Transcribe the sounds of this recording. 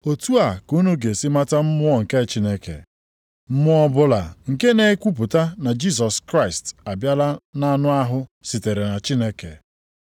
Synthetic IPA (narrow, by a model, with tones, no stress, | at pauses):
o˨tu˦a˨ku˦nu˦ɡe˨si˦ma˦ta˦m̩˦mʊ˦ɔ˦˨ŋ̩˨ke˦t͡ʃi˦ne˦kḛ˨ | m̩˦mʊ˦ɔ˦bʊ˦la˨ŋ̩˨ke˦ne˨˦kʷu˦p̬ʊ˨ta˦na˨d͡ʒi˦s̬ɔ˨skɾa˦ɪ˨sta˨bja˦la˦na˦nʊ˦a˦ɦʊ˦si˨te˨ɾe˨na˨t͡ʃi˦ne˦kḛ˨